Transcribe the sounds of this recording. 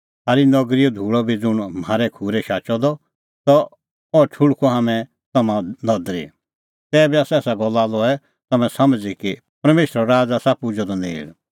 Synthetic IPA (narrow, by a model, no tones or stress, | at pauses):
saːɾinɐɡɾijɔd̪ʱuːɭɔbʱid͡zʊɽ̃m̤aːɾɛkʰuːɾɛʃaːt͡ʃɔd̪ɔ | t̪ɔ | ɔt͡ʃʰʊɭkʰɔɦamɛ̃ | t̪ɐmãnɔd̪ɾḭ | t̪ɛːbiaːsɛːsaɡɔlːalɔɛ | t̪ɐmɛ̃sɐmd͡ziki | pɐɾmeːʃɾɔɾaːd͡zasapʊd͡ʒɔd̪ɔnḛːɽ